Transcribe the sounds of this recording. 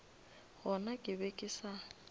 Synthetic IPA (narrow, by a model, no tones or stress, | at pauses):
ɣɔnakʼɪbekʼɪsa